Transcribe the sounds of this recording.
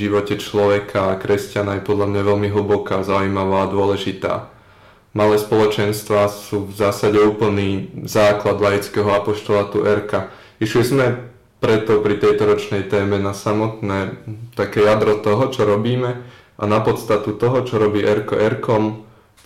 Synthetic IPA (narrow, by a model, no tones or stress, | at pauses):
iʋɔcɛt͡ʃlɔʋɛkʰaːkɾɛscanajɛpɔd̪lamɲaʋɛlmiɦl̩bɔkaːzaujmaʋaːd̪ʊɔlɛʒit̪a̰ː | malɛːspɔlɔt͡ʃɛnst̪ʋaːsuːvzaːsaɟɛuːpl̩niːzaːklad̪lajit͡skɛːɦɔapɔʃt̪ɔlat̪uʔɛɾka | iʃlizmɛ | pɾɛt̪ɔpɾit̪ɛjt̪ɔɾɔt͡ʃnɛjt̪ɛːmɛnasamɔt̪nɛːt̪akɛːjad̪ɾɔt̪ɔɦɔt͡ʃɔɾɔbiːmɛ | ʔanapɔt̪st̪at̪ut̪ɔɦɔt͡ʃɔɾɔbiːʔɛɾkɔ̰ʔɛɾkɔm